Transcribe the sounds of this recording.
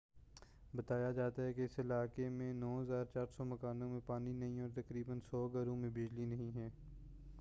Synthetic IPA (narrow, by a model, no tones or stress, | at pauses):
bɐt̪aːjad͡ʒaːt̪aɦɛkeɪsɪlaːkemẽnɔːɦəzaːɾt͡ʃaːɾsɔmɐkaːnõmẽpaːninɐɦĩɔːɾt̪ɐkɾiːbənsɔːɡɐɾõmẽbɪd͡ʒlinɐɦĩɦɛː